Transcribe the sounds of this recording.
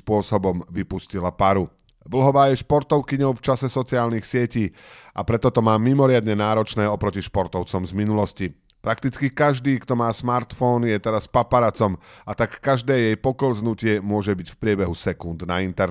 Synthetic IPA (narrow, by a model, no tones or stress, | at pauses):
pʊɔsɔbɔmʋipuscilapaɾu | ʋl̩ɦɔʋaːjɛʃpɔɾt̪ɔʊkiɲɔʊft͡ʃasɛsɔt͡siɪaːlnixsɪɛciː | ʔapɾɛt̪ɔt̪ɔmaːmimɔɾɪad̪ɲɛnaːɾɔt͡ʃnɛːɔpɾɔciʃpɔɾt̪ɔʊt͡sɔmzminulɔsci | pɾakt̪it͡skikaʒd̪iːkt̪ɔmaːsmaɾt̪fɔːnjɛt̪ɛɾaspapaɾat͡sɔmat̪akːaʒd̪ɛːjɛjpɔklznucɪɛmʊɔʒɛbicfpɾɪɛbɛɦusɛkund̪naint̪ɛɾ